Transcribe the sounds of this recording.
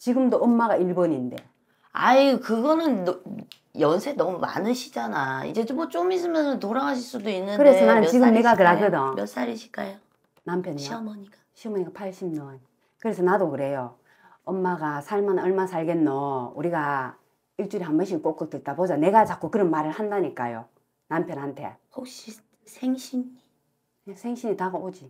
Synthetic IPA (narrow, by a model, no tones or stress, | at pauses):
t͡ɕiɡɯmdoʌmːaɣaiɭbʌɲinde̞ | a̰ikɯɡʌnɯn | jʌnsʰenʌmuma̰nɯɕʰi̥d͡ʑanaḭd͡ʑe̞t͡ɕomot͡ɕomis̬͈ɯmjʌnɯntoɾaŋaɕʰiɭs͈udoinːɯnkɯɾesʰʌnanɯnt͡ɕiɡɯmmne̞ɡaakɯɾaɡɯdʌmjʌs͈aɾiɕʰi̥k͈ajo | nampʰjʌnɕʰiʌmʌɲikḁɕʰiʌmʌɲikapʰaɭɕ͈ʰimnʌn | kɯɾe̞sʰʌnadokɯɾe̞jo | ʌmːaɡasʰaɭmanʌɭmasʰaɭɡenːouɾiɡa | iɭt͡ɕ͈uɾiɦambʌɕ̬ʰik͈ok͈̚ok̚t͈et̚t͈abod͡ʑane̞ɡat͡ɕak͈okɯɾʌnmaɾɯɭhandaɲik͈a̰jo̰ | nampʰjʌnɦantʰe̞̰hok̚ɕ͈i | sʰeŋɕʰini | nesʰe̞ŋɕʰiɲitaɡaod͡ʑi